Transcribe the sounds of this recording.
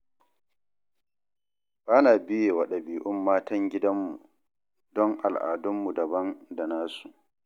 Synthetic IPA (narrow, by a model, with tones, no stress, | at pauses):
baː˦naː˨bɪ˦jeː˨wɐ˨ɗɐ˨biː˨ʔʊ˦mːaː˦tɐ˦ŋɡʲɪ˦dɐ˦mːu˨ | dɔ˦ŋʔa˨lʔa̰ː˨dʊ˦mːu˨dɐ˨bɐ˦nda˨naː˦su˨ʔ